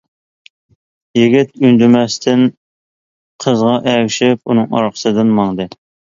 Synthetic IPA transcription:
jiɡʲit̪ynd̪ymɛst̪ʰɪn | qʰəzʁɑʔɛwʃɪpunɨŋɑ̰ɾqʰə̥sɨd̪ɨnmɑŋd̪ɨ

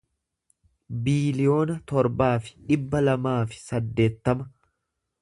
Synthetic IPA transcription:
biːlɪjo̞ːnɐt̪ɔɾbaːfɪ̥ᶑɪbːɐlɐmaːfɪ̥sɐd̪ːe̞ːt̪ːɐmɐ

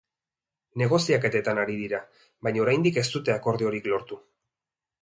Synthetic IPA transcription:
ne̞ɣ̞o̞siake̞t̪e̞t̪anaɾiðiɾa | βajɲao̞ɾajnd̪ike̞st̪ut̪e̞ako̞ɾðio̞ɾiklo̞ɾt̪u

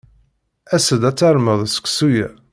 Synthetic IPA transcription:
æsəd̪æt͡sːaɾˤməðˤsə̥ksujæ

